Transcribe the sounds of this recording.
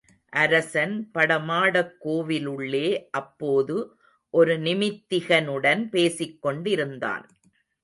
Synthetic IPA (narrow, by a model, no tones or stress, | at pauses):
ʔɐɾɐsɐnpɐɽɐmaːɽɐkːoːʋɪlɯɭːeːʔɐpːoːðɯ | ʔɔɾɯnɪmɪt̪ːɪɣɐnɯɽɐnpeːsɪkːɔɳɖɪɾɯnd̪a̰ːn